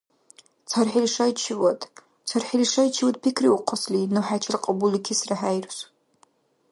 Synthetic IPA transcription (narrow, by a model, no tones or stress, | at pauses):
t͡sʰarħiliʂajt͡ʃʰɪwatʼ | t͡sʰarħiliʂajt͡ʃʰɪwatʼpʰikʰriwuqʰʷʼaslinuħat͡ʃʰarqʼabulikʲʰɪsraħajrsʷ